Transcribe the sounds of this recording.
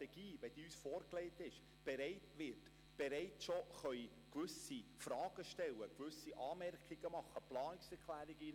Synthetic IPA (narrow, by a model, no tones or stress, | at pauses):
ɛɡ̥iːvɛd̥iysfoːɾkleɪtɪʃ | b̥eɾɛɪtʋɪt | b̥eɾɛɪt͡sʃoχœʏ | kʋʏsifrɑːɡ̥əʃtɛlːəkvʉsiʔɑːmɛɾkiɡ̥əmɑχəplɑːnɪksɛɾkʰlæːɾiɡi